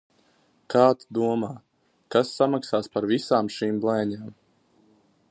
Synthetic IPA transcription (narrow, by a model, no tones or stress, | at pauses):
kaːt̪d̪uɔmaː | kasːamaksaːspaɾvisaːmʃiːmblˠɛjɲaːm